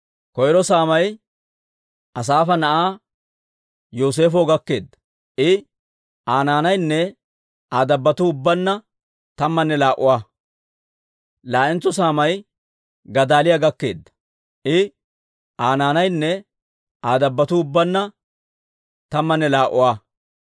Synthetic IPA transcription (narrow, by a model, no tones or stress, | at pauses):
kɔjɾɔsaːmɐj | ʔɐs̬aːfɐnɐʔaː | joːs̬e̞ːfoːɡɐkːe̞ːd̪ːɐ̥ | ʔɪ | ʔaːnaːnɐjnːɛ | aːd̪ɐbːɐt̪ʊʊbːɐnːɐ | t̪ɐmːɐnːɛlaːʔʊwaː | laːʔɪnt͡sːɔs̬aːmɐj | ɡɐd̪aːlɪjaɡɐkːe̞ːd̪ːɐ̥ | ʔɪ | ʔaːnaːnɐjnːɛ | aːd̪ɐbːɐt̪ʊːbːɐnːɐ | t̪ɐmːɐnːɛlaːʔʊ̰waː